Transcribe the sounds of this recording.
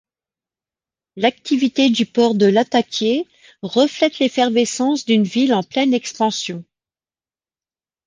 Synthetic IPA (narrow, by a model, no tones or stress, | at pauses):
lak̚t̪ivit̪ed̪ypɔʁd̪əlat̪akʲje | ʁəflɛt̪lefɛʁvesɑ̃sd̪ynvilɑ̃plɛnɛkspɑ̃sjɔ̃